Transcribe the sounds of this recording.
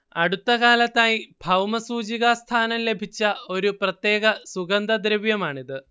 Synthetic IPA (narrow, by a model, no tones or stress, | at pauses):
ɐɽut̪ːɐɣaːlɐt̪ːaːjibʱɐwmɐsuːd͡ʑiɣast̪ʰaːnɐmle̞bʱit͡ɕːɐo̞ɾuprɐt̪jeːɣɐsuɡɐnd̪ʱɐd̪ɾɐʋjɐmaːɳiðɨ